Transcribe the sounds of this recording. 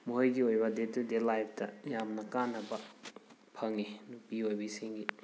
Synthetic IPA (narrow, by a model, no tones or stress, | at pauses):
muɦɐjɡiojbɐdetudelajp̚ʰtɐjamnɐkanːɐbɐ | pʰɐŋinupiojbɐisiŋɡi